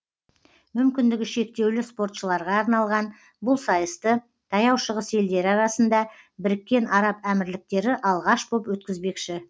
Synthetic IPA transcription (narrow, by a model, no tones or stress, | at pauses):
mʏmkʲɪnd̪ɪɡʲɪʃe̞k̚t̪e̞wlɪspo̞rt̪ʃəlˠɑɾʁɑːɾnɑlˠʁɑn | bʊlˠsɑjəst̪ə | t̪ʰɑjɑwʃəʁəse̞ld̪e̞ɾɪɑɾɑsənd̪ɑ | bɪɾɪkʲːe̞nɑɾɑpæmɪɾlɪk̚t̪e̞ɾɪʔɑlˠʁɑʃbopwɵt̪̚kʲɪzbe̞kʃɪ